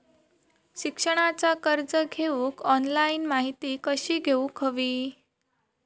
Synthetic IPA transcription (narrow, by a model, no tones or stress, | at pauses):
ɕikʂəɽ̃at͡sakəɾd͡zəɡʱeʋũkɔnlainmaɦit̪iːkəɕiːɡʱeũkʰəʋiː